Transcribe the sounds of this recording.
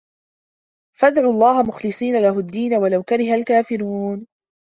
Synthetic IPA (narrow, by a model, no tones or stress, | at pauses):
fad̪ʕuːɑlˤːɑːɦamʊxlɨsˤiːnalaɦʊd̪ːiːnawalawkaɾɪhalkaːfɪɾuːn